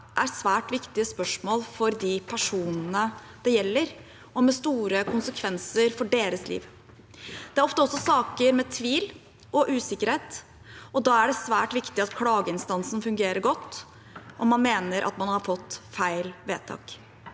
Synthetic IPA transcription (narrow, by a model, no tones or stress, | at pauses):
ʔæɾsʋæːʈʋɪkt̪ɪəspœʂmoːlfɔɾd̪ɪpʰæʂuːnnə | d̪̥ɛjɛlːəɾ | ɔmɛst̪uːɾəkʰʊnsəkʰʋɛnsəɾfɔɖeːɾəslḭːʋ | d̪̥ɛæɾɔft̪əɔsːɔsɑːkəɾmɛt̪ʰʋiːl | ɔʔʉːsɪkəɾheːt̪ | ʔɔd̪ɑːæɖɛsʋæːʈʋɪkt̪ɪɑt̪kʰlɑːɡəɪnst̪ɑnsn̩fʉŋɡeːɾəɾɡɔt̪ː | ʔɔmːɑnmeːnəɾʔɑ̰t̪mɑnhɑɾfɔt̪ːfæɪlʋḛːt̪ʰɑ̰ːk